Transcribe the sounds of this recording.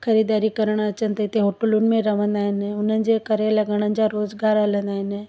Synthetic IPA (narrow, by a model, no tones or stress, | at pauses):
xʰɐɾid̪aːɾikɐɾəɽ̃ɐt͡ɕənt̪ʰət̪eɦoːʈəlʊnmẽɾɐʋ̤ə̃nd̪aːɦɪnʊn̤ənɪ̆d͡ʑekəɾelɐɡəɽ̃ən̆d͡ʑaɾoːzɡaːɾələ̃nd̪aːɦɪn